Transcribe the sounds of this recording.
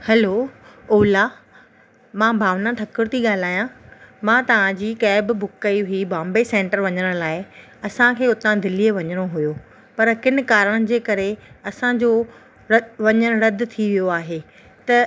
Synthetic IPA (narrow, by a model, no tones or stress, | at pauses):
hɐloːoːla | mãːbʱaːʋnãʈʰɐkɪɽt̪ʰiɠaːl̤aːjãmãːt̪ɐʋ̤ãd͡ʑiːkɛːbbʱʊkːɐiɦʊibãːmbesẽːɳʈəɾʋɐɲəɽ̃laːɪ | ɐsãkʰeːʊt̪ãd̪ɪlijeʋɐɲəɽ̃oɦʊjo | pɐɾkɪnɪ̆kaːɾəɽ̃d͡ʑeːkɐɾeɐsãd͡ʑo | ʋɐɲəɽ̃ʊɾɐd̪ʱt̪ʰiʋijoaːɦeː | t̪ɐ